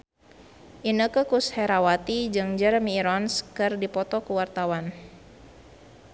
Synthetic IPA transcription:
ʔinəkəkushɛɾawat̪id͡ʒɨŋd͡ʒərmiːɾɔnskɨrdipɔt̪ɔkəwart̪awan

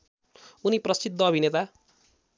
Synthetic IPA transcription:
uniprʌsid̪ʱːʌːbʱinet̪a

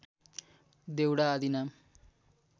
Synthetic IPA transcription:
d̪ewɽaːd̪ʱinam

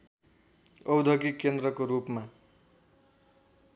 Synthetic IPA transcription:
ʌwd̪ʱʌkikend̪ɾʌkoɾupma

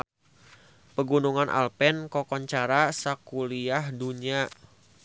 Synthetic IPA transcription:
pəɡunuŋanʔa̰lpɛnkɔkɔɲt͡ʃaɾasakuliahduɲa

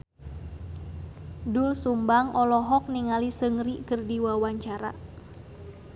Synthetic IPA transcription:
dʊlsumbaŋʔɔlɔɦɔk̚niŋalisəŋriʔkərdiwawaɲt͡ʃaɾa̰

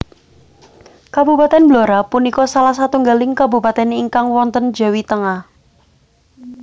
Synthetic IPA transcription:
kabupat̪ɛnbloɾapunikɔsalahs̬at̪uŋɡalɪŋkabupat̪ɛniŋkaŋwɔnt̪ənd̥d͡ʒ̥a̤wit̪əŋah

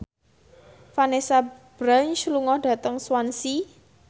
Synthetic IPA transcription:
fanesab̥ɾaɲʃluŋɔhɖ̥ä̤t̪əŋswansi

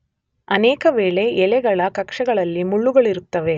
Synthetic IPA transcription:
ɐnɛːkɐʋeːɭe̞ʔɛlɛɡɐɭɐkɐkʂɐɡɐɭɐlːimuɭːuɡɐɭiɾut̪ːɐʋe̞

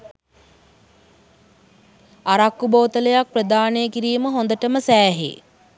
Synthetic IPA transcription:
aɾakːuboːt̪ələjak̚prəd̪aːnejəkiɾiːməɦond̪əʈəməsæːɦḛ

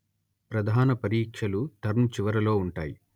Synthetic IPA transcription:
pɾɐd̪ʱaːnɐpɐɾiːkʂɐlut̪ɐɾmt͡ʃiʋɐɾɐlo̞ːuɳʈaːji

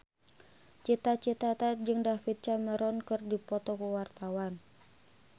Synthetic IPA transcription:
t͡ʃit̪at͡ʃit̪at̪ad͡ʒɨŋdafit̪̚t͡ʃaməɾɔnkɨrdipɔt̪ɔkuwart̪awan

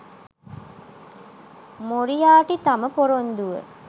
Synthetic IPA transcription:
moɾijaːʈit̪aməpoɾond̪uʋə̰

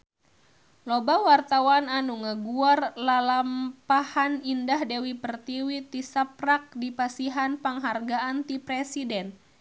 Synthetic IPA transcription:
lobawart̪awananuŋəɡuarlalampahanindahdɛwipərt̪iwit̪isap̚rak̚dipasiɦanpaŋɦarɡaʔant̪ipɾɛsidɛn

